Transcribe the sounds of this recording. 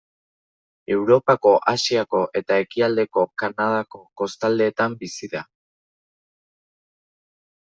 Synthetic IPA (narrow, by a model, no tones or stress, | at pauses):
e̞wɾo̞pako̞ʔasiako̞ʔe̞t̪ae̞kiald̪e̞ko̞kanað̞ako̞ko̞st̪ald̪e̞ːt̪ambisiða